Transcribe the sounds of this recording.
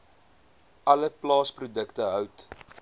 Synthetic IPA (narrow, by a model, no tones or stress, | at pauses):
ʔɐləplɑːsprudəktəɦœwt